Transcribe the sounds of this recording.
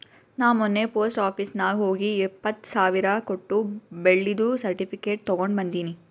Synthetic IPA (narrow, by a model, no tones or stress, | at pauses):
naːmɔnːepoːsʈaːpʰisnaːɡɦo̞ːɡiɛpːɐt̪ːsaːʋiɾɐkoʈːubeɭːid̪usɐɾʈipʰikeːʈ̚t̪ɔɡoɳɖbɐnd̪iːni